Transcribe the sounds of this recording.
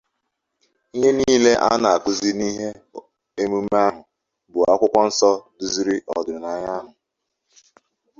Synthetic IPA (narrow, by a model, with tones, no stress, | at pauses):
i˦ɦe˦niː˦le˦ʔa̰˦na˨a˨kʊ˦zi˦ni˦ɦe˦ | e˦mu˦m̩˦a˦ɦʊ˨ | bʊ˨a˦kʷʊ˦kʷɔ˦n̩˦sɔ˦dʊ˨zi˦ɾi˦ʔɔ˨dʊ˨na˦ɲa˦ɦʊ˨